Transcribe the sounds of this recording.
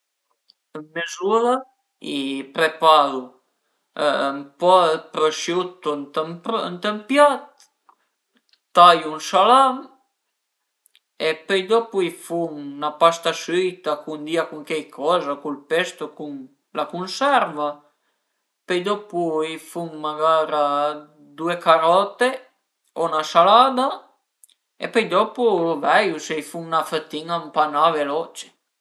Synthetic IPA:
əmmːezula | ipɾepaɾṵ | mpɔəpɾəʃjut̪ːont̪əmnt̪əmpjat̪̚ | ajunsalam | epəjd̪ɔpuifuŋnapast̪asyt̪akund̪iakuŋk̟ɛjkʰɔzakulpest̪okuŋ | lakunsɛrva | pejd̪ɔpuifuŋmaɡaːɾa | d̪uekaɾɔt̪e | onasalad̪a | ḛpəjd̪ɔpuvɛjusejfuŋnafət̪ːiŋampanavelɔt͡ʃe̥

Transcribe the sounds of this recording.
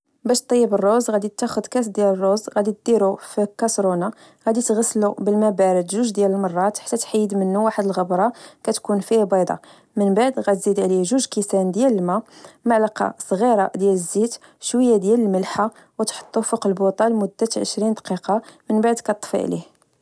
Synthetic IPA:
bæʃt̪ˤːijːəbərˤːozɣæd̪it̪ːæxʊd̪kæs̬d̪jælərˤːozɣæd̪it̪̚d̪iɾufikɑsɾonɑ | ɣæd̪it̪ɣæsːlubəlmæbæɾəd̪ʒuʒd̪jæləlmɑrˤːɑt̪ħḁt̪ːæt̪ħijːəd̪mənːuwaħəd̪əlɣəbɾˤɑkæt̪kunfihbɑd̪ˤɑ̰ | mənbaʕd̪ɣæt̪zid̪ʕliʒuʒkisænd̪jæləlmæmaʕlɑqɑ̰sˤɣiɾˤɑd̪jæləzːit̪ʃwəjːad̪jæləlməlħa | wət̪ħo̥t̪ˤːufəqəlbot̪ˤɑlmʊd̪ːæt̪ʕə̰ʃɾind̪qiqɑmənbaʕd̪kæt̪ˤːfɑ̰ʕlḭh

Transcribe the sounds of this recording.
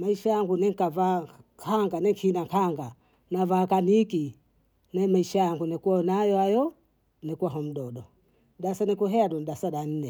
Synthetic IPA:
maiʃajaŋɡunɛŋkavakʰaŋɡanɛkʰinaŋkʰaŋɡa | navaːkaniki | namaiʃajaŋɡunɛkuanajɔajɔ | nɛkwaɦɔm̩ɗɔɗɔ | ɗasanikuɦɛaɗɔnɗasaɗan̩nɛ

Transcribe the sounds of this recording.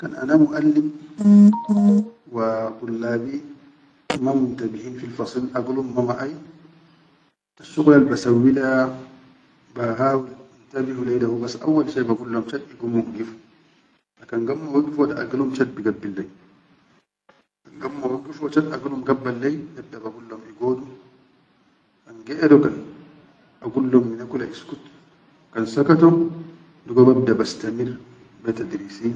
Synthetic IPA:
ka̰nʔa̰namuʔalːim | waɡulːaːbi | mamunt̪abihiːnfilfɑsˤilʔaɡulumːamaʔaj | t̪aʃːuɡlalbasawːila | baɦawilant̪abihulajdahubasːʔa̰wːalʃajbaɡulːamt͡ʃat̪iɡumːuɡifu̥ | ʔɐkːɐŋɡɐmːowɐɡɪfɔᶑɐɐ̰ɡɐlʊmt͡ʃɐbɪɡɐbːɪlːɐj | kɐŋɡɐmːɔwɐŋɡɪfɔt͡ʃɐdɐɡɐlʊmɡɐbːɐlːɐjd̪ɐb̚d̪ɐbɐɡʊlːɔmɪɡoːd̪ʊ | kɐŋɡeːʔɛd̪ɔkɐn | ɐɡʊlːɔmːɪnɐkʊlɐʔɪskʊt̪ | kɐnsɐkɐt̪ɔ | d̪ʊɡɐbɐbd̪ɐbɐst̪ɐmir | bɛt̪ɐd̪ɪɾisiː

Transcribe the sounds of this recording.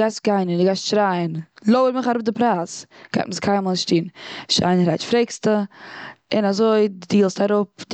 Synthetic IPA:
ɡaɪstɡaɪnəndɪɡaɪstʃɾaɪənlˠoəɾmɪχaɾʊp̚dɪpɾasɡ̥aɪtməskʰaɪməlʃtiːnʃa̰ɪnɾaɪt͡ʃfɾeɪkstə | ɪnazoɪdiːlˠstaɾʊp̚d

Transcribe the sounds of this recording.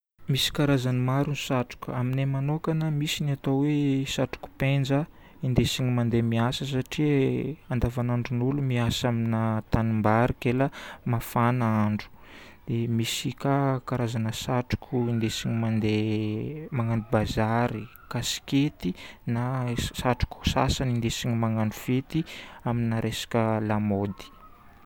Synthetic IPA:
misi̥kaɾazanimaɾunisaʈ͡ʂu̥kʲaminemanokanamisiniat̪owesaʈ͡ʂu̥ku̥pend͡zə | ind̪esiɲimand̪emiasəs̬aʈ͡ʂiand̪avanaɳɖ͡ʐunulumiasaminat̪animbaɾikeləmafanaaɳɖ͡ʐu̥d̪̥emisikakaɾazanəsaʈ͡ʂu̥kʰuind̪esiɲimand̪e | maŋand̪ubazaɾi | kasi̥ket̪inasaʈ͡ʂu̥ku̥sa̰sanind̪esiɲimaŋanufet̪iaminaɾʔesḁkʲəlamod̪i̥

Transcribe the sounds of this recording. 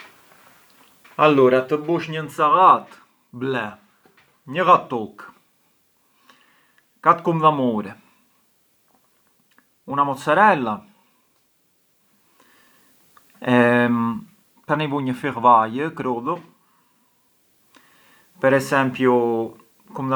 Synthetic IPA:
alːɔɾat̪əbuʃɲənsaɣat̪ | blɛ | ɲəɣat̪ːɔk | kat̪kumðamɔɾɛ | unamɔt̪saɾɛlːa | ɛ | t̪anivuɲəfiʁvajəkɾɔðɔ | pɛɾɛsɛmpju | kumð

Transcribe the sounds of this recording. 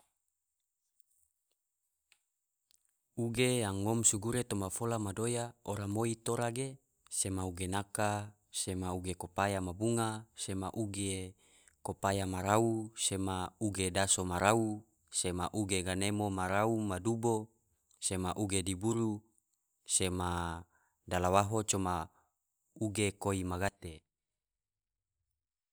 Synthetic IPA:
uɡejaŋːomsuɡuɾet̪omafolamadojaoɾamoit̪oɾaɡe | semauɡenaka | semauɡekopajamabuŋasemaʔuɡe | kopajamaɾausemauɡedasomaɾau | semaʔuɡeɡanemomaɾaumadubo | semaʔuɡedibuɾu | sema | dalawaɦot͡ʃoma | uɡekoimaɡat̪e

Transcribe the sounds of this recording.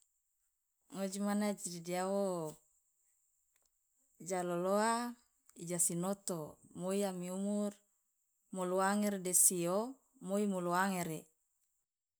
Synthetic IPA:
ŋod͡ʒimanad͡ʒididiawo | d͡ʒaloloa | id͡ʒasinot̪omoiamiumur | moloaŋeɾdesio | moimoloaŋeɾe

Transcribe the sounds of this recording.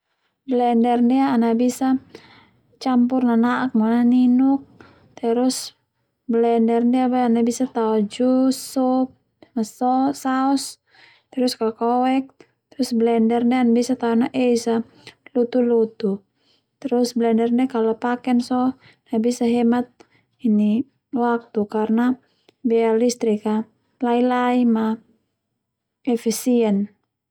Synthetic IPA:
blɛndɛrdiaːnabisa | t͡ʃampurnanaʔak̚mɔnaninuk̚ | t̪ɛɾus | blɛndɛrdiabajanabisat̪aɔd͡ʒusup̚ | nasɔsaɔs | t̪ɛɾuskakɔwɛk̚ | t̪ɾusblɛndɛrdɛanbisat̪aɔnaʔɛisa | lut̪ulut̪u | t̪ɾusblɛndɛrdɛkalɔpakɛnsɔ | nabisaɦɛmat̪̚ | ini | wak̚t̪ukarna | bɛalist̪ɾika | lailaima | ɛfisiɛn

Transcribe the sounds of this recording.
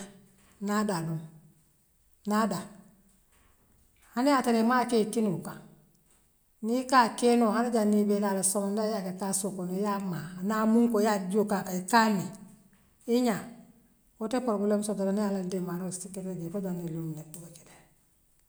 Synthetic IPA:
nadadu | nada | hanejataɾemakekinuka | nikakenohanaɟanibelalasomandajakekasokonojamanamuŋkojad͡ʒokakaikani | iɲa | kotepoɾɡulemsotoɾanijalandemaɾostikːeɾed͡ʒeːfod͡ʒanilumnetuake̥de̥

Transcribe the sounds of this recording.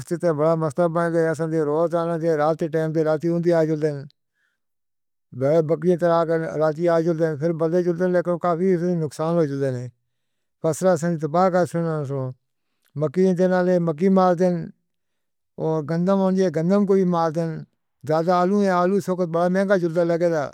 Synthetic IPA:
st̪ɪt̪eːbəɽaːməst̪aːbənːɡ̪eəs̬ãːd̪eːɾoːt̪aːnãːt̪eːɾaːt̪eʈeːmt̪eːɾaːt̪iːɦʊ̃nd̪iːaːd͡ʒʊld̪eːn | bbəkɽiẽːt̪eɾaːkɾaːt̪̬iːaːd͡ʒʊld̪eːnpʰɪɾbəd̪eːd͡ʒʊld̪eːnleːkɪnõːkaːpiːsːinʊksaːnɦoːd͡ʒʊld̪eːneː | pʰəsɾaːəs̬ãːd̪iːt̪əpaːkaːsənasõː | məkːĩːt̪eːnaːleːmək̬ːiːmaːɾd̪en | oːɾɡənd̪əmõːnd͡ʒeːɡə̃nd̪əmk̬oːiːmaːɾd̪en | zaːd̪aaːlũːẽːaːlũːsoːkət̪̚bəɽaːmɛ̃ːŋɡaːd͡ʒʊld̪aːləɡeːd̪a̰ː

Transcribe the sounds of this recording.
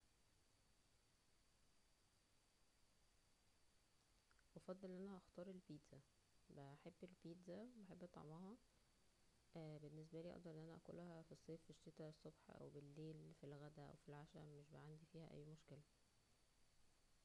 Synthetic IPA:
ʔɑfɑd̪ˤːɑlenʔænæʔɑxt̪ˤɑːɾˤelbiːt̪z̥æ | bæħebːelbiːt̪zæwebeħebːʔɑt̪ˤɑ̰ʕmɑhɑ | benːes̬bæliːʔɑ̰ʔd̪ɑɾʔenːʔænæʔæ̰ko̰læhæfisˤːeːfiʃːet̪æesˤːobħʔæ̰wbelːeːlfilɣæd̪æʔæ̰wfilʕaʃæ̰meʃbæʕand̪ifiːhæʔæ̰jːmoʃkelæ

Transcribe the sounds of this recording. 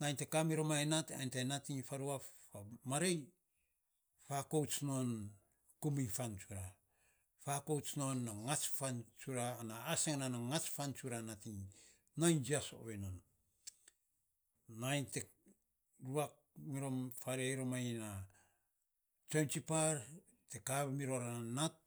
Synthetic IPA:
najnte̞kamiɾo̞maenata̰jntajnatiŋfaɾua | amaɾej | fakowt͡ʃnon | kumifant͡ʃuɾa | fako̞wt͡ʃnonːaŋat͡ʃfant͡ʃuɾaːnaːseŋnanaŋat͡ʃfant͡ʃuɾanatiŋ | najnd͡ʒiaso̰βenon | ajnte | ɾuak̚ | miɾo̞mfaɾeajɾomajna | t͡ʃont͡ʃipaɾ | tekaβmiɾo̞ɾaanat̚

